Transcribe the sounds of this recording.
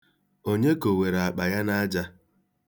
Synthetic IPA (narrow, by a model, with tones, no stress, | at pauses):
o˦ɲe˦ko˨we˨ɾa˨k͡pa˨ja˦na˦d͡ʒa˦